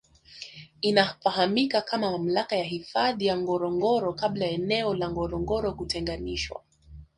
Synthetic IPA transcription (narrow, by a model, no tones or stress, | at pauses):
inafaɦamikakʰamamam̩lakajaɦifaðijaŋɡɔɾɔŋɡɔɾɔkablajaɛnɛɔlaŋɡɔɾɔŋɡɔɾɔkutɛŋɡaniʃwa̰